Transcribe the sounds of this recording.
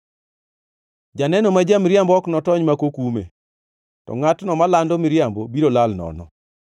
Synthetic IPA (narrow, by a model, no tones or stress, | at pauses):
d͡ʒanɛnomad͡ʒamɾjambɔknɔtɔɲmakokumḛ | tɔ̰ŋatnɔmalandomɪɾjambobiɾolalnɔ̰nɔ̰